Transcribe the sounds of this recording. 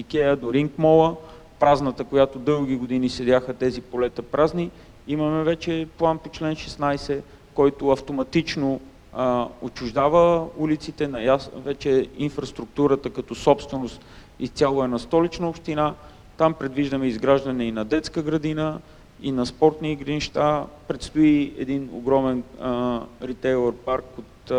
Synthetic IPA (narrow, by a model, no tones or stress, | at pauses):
ikɛəd̪oɾiŋkmɔlˠə | pɾaznət̪əkojat̪od̪ɤlˠɡ̟ʲiɡod̪inisɛd̪ʲjaxət̪ɛzipolɛt̪əpɾʔazni | imɐmɛvɛt͡ʃɛplˠanpot͡ʃlɛnʃɛsnajsɛ | kɔjt̪ʊɐft̪omɐt̪it͡ʃno | ot͡ʃʊʒd̪avəulit̪sit̪ɛnɐjavɛt͡ʃɛinfɾɐst̪ɾʊk̚t̪uɾət̪əkɐt̪ɔsɔpst̪vɛnost̪ | ist̪ʲalˠʊɛnɐst̪ɔlit͡ʃnəopʃt̪ina | t̪ampɾɛd̪viʒd̪əmɛizɡɾaʒd̪ɐnɛinɐd̪ɛt̪skəɡɾɐd̪inə | inɐspɔɾt̪niːɡɾəniʃt̪apɾɛt̪st̪oiɛ̰d̪ino̰ɡɾɔmɛn | ɾit̪ɛjlˠoɾpaɾkot̪